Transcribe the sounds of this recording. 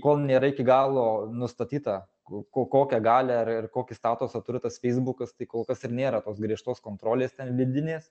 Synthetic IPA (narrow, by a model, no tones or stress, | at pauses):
koːlˠnʲeːɾɐɪkʲɪɡɑːlˠoːnʊst̪ɐt̪ʲiːt̪ɐ | koːkoːkʲɛɡɑːlʲɛɐrɪrkoːkʲɪst̪ɑːt̪ʊsɐt̪ʊɾʲɪt̪ɐsfʲɛɪzbʊkɐst̪ɐɪkoːlˠkɐsɪrnʲeːɾɐt̪oːsɡɾʲiɛʃt̪oːskoːnt̪ɾoːlʲeːst̪ʲɛnʋʲɪd̪ʲɪnʲeːs